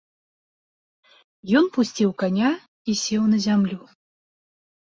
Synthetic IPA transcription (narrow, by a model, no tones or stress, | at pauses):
jɔnpusʲt͡sʲiwkanʲa | isʲewnɐzʲamlʲu